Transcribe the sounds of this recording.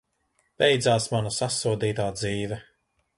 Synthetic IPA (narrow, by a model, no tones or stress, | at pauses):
b̥ɛjd̪zaːsmanusasuɔd̪iːt̪aːd̪ziːvɛ